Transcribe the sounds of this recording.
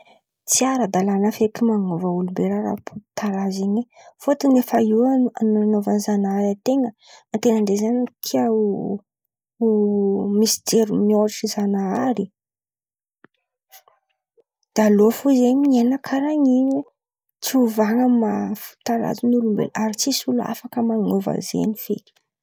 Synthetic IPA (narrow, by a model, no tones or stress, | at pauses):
t͡siaɾad̪alanəfekimaŋovaulumbeɾaɾa̰pʰu̥t̪aɾazeɲefot̪inefaiaannovanzanaɾat̪eŋə | nt̪enaɳɖ͡ʐezanik̪ʰiau | misi̥d͡ʒeɾumioɾʈ͡ʂizanaaɾi | d̪̥alofuzemiɲenəkʰaɾaɲiɲe | t͡siuvaŋəmafu̥t̪ala̰zinulumbḛlʔaɾit͡sisula̰fakəmanova̰zḛnifḛli̥